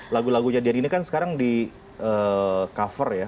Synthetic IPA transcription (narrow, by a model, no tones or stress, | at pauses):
laɡulaɡuɲadianinikansə̥kaɾaŋdi | əːkafərja